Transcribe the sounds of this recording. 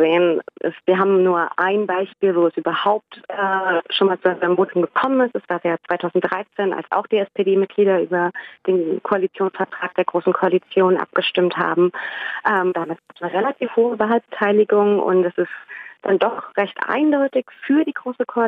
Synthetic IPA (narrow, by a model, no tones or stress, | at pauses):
zeːənʔɪ̰sv̥iːɐɦaːbm̩nuːɐʔaɪnbaɪʃpiːlvoːɛsʔyːbɐhaʊp̚tɛʃoːnmaːlt͡suanmvoːtʰʊmɡəkʰɔmənɪstɛsv̥aːəjaːt͡sv̥aɪtʰaʊzn̩t̚d̥ʁaɪt͡seːna̰lsa̰ʊxd̥iːɛspedeːmɪt̚ɡ̥liːɾɐʔyːbɐd̥eːnkʰoalit͡sjoːnsfɛɐtʁ̥aːk̚d̥eːɐɡʁoːsn̩kʰoalit͡sjoːnʔa̰p̚ɡ̥əʃtɪmtha̰ːbm̩ʔɛːmd̥aːmat̚ɡ̥aːpəsnəʁelatʰiːfhoːəvaːlbətʰaɪlɪɡʊŋʊ̰ntɛsɪstd̥andɔχʁɛçtʔa̰ɪndɔʏtɪçfyːɐdiːɡʁoːsəkʰoa